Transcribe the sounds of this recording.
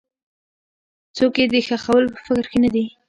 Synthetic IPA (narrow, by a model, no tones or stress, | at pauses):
t͡soked̪əxaxawəlpə̥fɪkɾxenad̪i